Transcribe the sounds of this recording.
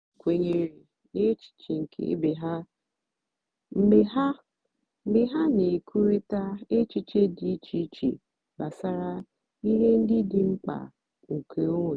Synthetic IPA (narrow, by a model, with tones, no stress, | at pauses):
kʷe˨ɲe˨ɾi˨ | ne˦t͡ʃi̥˨t͡ʃi˨ŋ̩˨kʰḛ˦be˨ɦa˦ | m̩˦e˦ɦa˦ | m̩˦bɪ˦ɦa˦ne˨kʰu˦ɾi˦ta˦e˦t͡ʃi˦t͡ʃe˦di˦t͡ʃi˦t͡ʃḛ˨ | ba˨sa˦ɾa˦ | i˦ɦe˦n̩˦dɪ˦dɪ˨ŋ͡m̩˦k͡pa̰˨ | ŋ̩˨kʰe˨o˦˨